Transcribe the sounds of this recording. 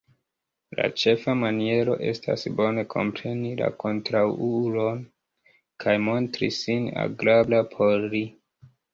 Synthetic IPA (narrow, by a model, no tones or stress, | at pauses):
la̰t͡ʃe̞famanie̞ɾo̞̰ʔe̞̰sta̰sbo̞ne̞kʰo̞̰mpɾe̞nila̰kʰo̞ntɾawuɾo̞n | kʰajmo̞ntɾḭsina̰ɡɾablapʰo̞ɾli